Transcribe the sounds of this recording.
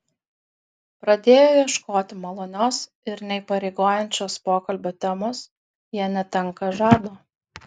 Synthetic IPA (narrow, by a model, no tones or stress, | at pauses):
pɾɐd̪ʲeːjoːjɛʃkoːt̪ʲɪmɐlˠoːnʲoːs | ɪɾnʲɛipɐɾʲɛɪɡoːjɛnʲt͡ʃʲoːspoːkɐlʲbʲoːt̪ʲɛmoːs | jiɛnʲɛt̪ʲɛŋˑkɐʒɑːd̪oː